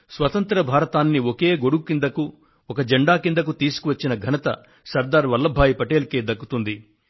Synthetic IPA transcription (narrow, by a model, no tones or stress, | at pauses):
sʋɐt̪ɐnt̪ɾɐbʱaːɾɐt̪aːnːioke̞ːɡo̞ɽukukind̪ɐku | ɔkɐd͡ʒɐɳɖaːkind̪ɐk̬ut̪iːsu̥kuʋɐt͡ʃːinɐɡʱɐnɐt̪ɐ̰ | sɐɾd̪aːɾʋɐlːɐbʱaːjipɐʈeːlkeːd̪ɐkːut̪und̪i